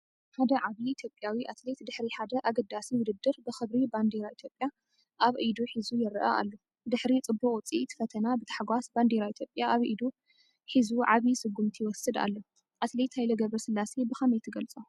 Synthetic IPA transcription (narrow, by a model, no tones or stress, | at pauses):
ħad̪ɐʕaβiːt̪ʰjo̞pʼːjawiʔat̪let̪d̪ɨħɾiħad̪ɐʔaɡɐd̪ːasiwʊd̪ɨd̪ːɨɾbɨxɨβɾiband̪iɾait̪ʰjopʼja | ʔaβʔid̪uħizujɪɾʔɐ̰ʔa̰lːo | d̪ɨħɾit͡sʼɨbːuχʼt͡sʼiʔt̪ʰfɐt̪ʰɐnabɨt̪ʰḁħɡʷasband̪eɾait̪ʰjopʼjaaβʔḭd̪u | ħizuʕaβisɨɡːumt̪ʰiwɔsɨd̪a̰lːo | ʔat̪let̪hajlɐɡɐβɾɐsɨlːasebɨxɐmejt̪ʰɨɡɐlt͡sʼo